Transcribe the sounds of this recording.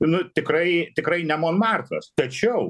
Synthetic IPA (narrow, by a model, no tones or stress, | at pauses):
nʊt̪ʲɪkrɐɪt̪ʲɪkrɐɪnʲɛmoːnmɑrt̪ɐst̪ɐt͡ʃʲɛʊ